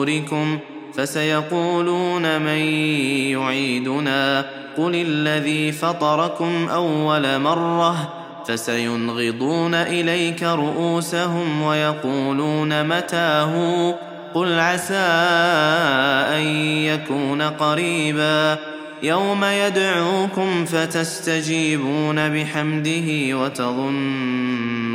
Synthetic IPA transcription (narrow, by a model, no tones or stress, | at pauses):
ɾɪkʊm | fasajɑquːluːnamajjʊʕiːd̪ʊnaː | qʊlalːaðiːfɑt̪ˤɑɾˤɑkʊmʔawːalamɑrˤːɑh | fasajʊnɣɨd̪ˤuːnaʔɪlajkaɾˤʊʔuːsaɦʊmwajɑquːluːnamat̪aːɦʊ | qʊlʕasaː | ʔajjakuːnaqɑɾiːbaː | jawmajad̪ʕuːkʊmfat̪ast̪ad͡ʒiːbuːnabɪħamd̪ɪɦɪwat̪ɑðˤʊn | ʊ